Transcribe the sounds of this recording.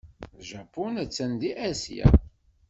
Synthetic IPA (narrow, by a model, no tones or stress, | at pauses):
ʒæpːunæt͡sːænd̪iʔæsjæ̰